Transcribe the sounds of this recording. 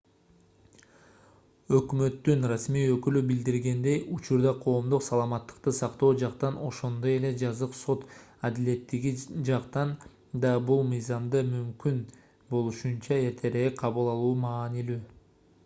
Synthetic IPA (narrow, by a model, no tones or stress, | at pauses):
ø̞kmø̞t̪ːynrasmiːø̞kylybild̪iɾɡe̞nd̪e̞jut͡ʃuɾd̪ɑqʰo̞ːmd̪uqsɑlˠɑmɑt̪ːɯ̥qt̪ɯsɑqt̪o̞ːd͡ʒɑqt̪ɑno̞ʃo̞nd̪o̞je̞le̞d͡ʒɑzɯqso̞t̪ɑd̪ile̞t̪ːiɡid͡ʒɑqt̪ɑn | d̪ɑbulˠmɯjzɑmd̪ɯmymkyn | bo̞lˠuʃunt͡ʃɑe̞ɾt̪ʰe̞ɾeqʰɑβɯlˠɑlˠuːmɑːnilyː